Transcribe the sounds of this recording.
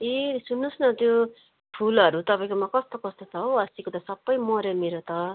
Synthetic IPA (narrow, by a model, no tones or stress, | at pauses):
esunːusnʌt̪jo | pʰulʌɾut̪ʌpaj̃komakʌst̪okʌst̪ot͡sʰʌɦoʌsikot̪ʌsʌbːʌjmʌɾjemeɾot̪ʌ